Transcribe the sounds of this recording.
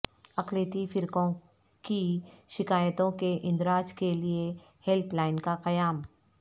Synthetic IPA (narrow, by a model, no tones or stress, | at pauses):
ɐkleːt̪ifɪɾkõ | kiʃɪkaːjət̪õkeʔɪ̃nd̪ɾaːd͡ʒkelie | hɛlplaːɪnkaqɐjaːm